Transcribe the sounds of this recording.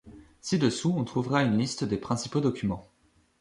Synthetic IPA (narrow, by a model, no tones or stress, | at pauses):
sid̪əsuɔ̃t̪χuvʁaynlist̪d̪epχɛ̃sipod̪ɔkʲymɑ̃